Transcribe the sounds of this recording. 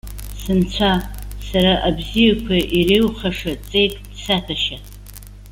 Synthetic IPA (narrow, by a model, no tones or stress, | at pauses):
sɨnt͡ɕʷʰasaɾaʔabzijakʷʰaʔirejwχaʂat͡sʼejtʼdsatʰaʃa